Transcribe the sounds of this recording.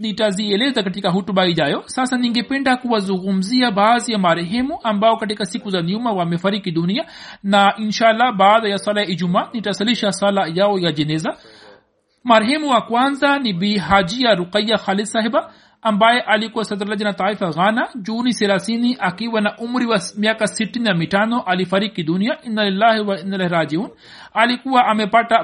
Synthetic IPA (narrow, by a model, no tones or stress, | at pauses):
nitaziɛlɛzakatikaɦutuɓahiʄajɔsasaniŋɡɛpɛndakuwazuŋɡum̩ziabaːzijamaɾɛɦɛmuʔambaɔkat̬ikasikuzaniumawamɛfaɾikiɗunianaʔinʃaːlːabaːðajaswalajaid͡ʒumaːnitasaliʃaswalajaɔjad͡ʒɛnɛza | maɾɦɛmuwakwanzanibiɦad͡ʒiaɾuqajːaxalid̪saɦɛbaː | mbajɛʔalikuwasad̪ɾlad͡ʒanat̪ˤaifaɣanad͡ʒuniθɛlaθiniʔakiwanaʔumɾiwamiakasitininamitanɔʔalifaɾikid̪uniaʔinːalilːahwainːalahɾaːd͡ʒiuːn | alikuwaʔamɛpata